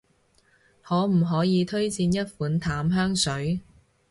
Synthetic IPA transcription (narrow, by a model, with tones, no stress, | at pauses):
hɔː˨˥m̩˨˩ɦɔː˨˥jiː˨˧t̪ʰɵ˥ɥt͡siː˧njɐ˥t̚fuː˨˥nt̪ʰaː˨˥mɦœː˥ŋsɵ˨˥ɥ